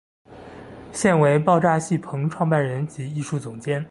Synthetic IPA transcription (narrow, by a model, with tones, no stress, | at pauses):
ɕjɛ˥˩nwe˧˥ɪpɑ˥˧ʊʈ͡ʂa˥˧ɕi˥˩pʰɤ˧˥ŋʈ͡ʂʰwɑ˥˧ŋpa˥˩nɻə˧˥nt͡ɕi˧˥i˥˧ʂu˥˩t͡sʊ˨˩ŋt͡ɕjɛ˥n